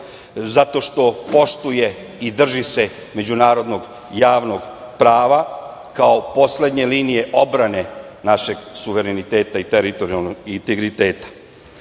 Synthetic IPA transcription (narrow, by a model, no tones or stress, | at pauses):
zat̪o̞ʃt̪o̞po̞ʃt̪uje̞ | id̪r̩ʒise̞ | me̞d͡ʑunaːɾo̞d̪no̞ɡ | jaːʋno̞ɡ | pɾaːʋa | kao̞po̞sle̞d̪ɲe̞liːnije̞ʔo̞bɾanenaʃe̞ɡsuʋe̞ɾenit̪e̞ːt̪ait̪eɾit̪o̞ɾialnoɡint̪eɡɾit̪e̞ːt̪ḁ